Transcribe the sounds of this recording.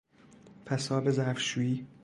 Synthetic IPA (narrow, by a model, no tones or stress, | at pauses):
fʰæsɒːbezæfʃuːiː